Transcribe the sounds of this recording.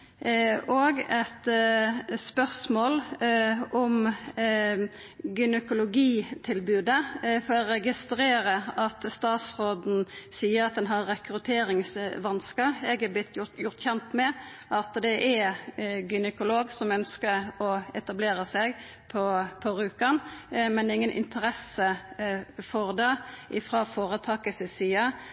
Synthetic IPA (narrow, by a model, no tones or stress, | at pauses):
ʔɔɡɛt̪ | spœʁsmoːlʔɔm | ɡʏnəkʊlʊɡiːt̪ʰɪlbʉːd̪əfɔɾɔɾɛɡɪst̪ɾeːɾəɑt̪st̪ɑːt̪sɾoːd̪n̩siːəɾɑt̪̚d̪ɛnɦɑɾːɛkɾʉt̪ʰeːɾɪŋsʋɑnskɑɛɡɑblɪt̪ʰːjʊjʊʁt̪çɛnt̪mɛ | ʔɑt̪d̪ɛʔɛɡʏnəkʊloːɡsɔmœnskəɾɔɛt̪ɑbleːɾəsɛɡ | pʰɔpʰɔɾʉːkɑnmɛnɪŋːənʔɪ̰nt̪ʰəɾɛsə | foːʁd̪ɑːʔɪfʁɑːfoːɾət̪ʰɑːkəsəsiːɑ